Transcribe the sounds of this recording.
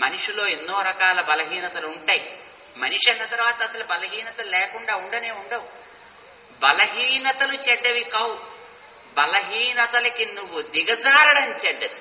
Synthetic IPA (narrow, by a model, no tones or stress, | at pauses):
mɐniʂulo̞ːenːoːɾɐkaːlɐbɐlɐɦiːnɐt̪ɐluuɳʈaːj | mɐniʂɐnːɐt̪ɐɾʋaːt̪ɐːsɐlubɐlɐɦiːnɐt̪ɐlulɛːkuɳɖaːuɳɖɐne̞ːuɳɖɐwu | bɐlɐɦiːnɐt̪ɐlut͡ʃɛɖːɐʋikɐw | bɐlɐɦiːnɐt̪ɐlɐkinuʋːud̪iɡɐd͡ʒaːɾɐɽɐmt͡ʃɛɖːɐd̪i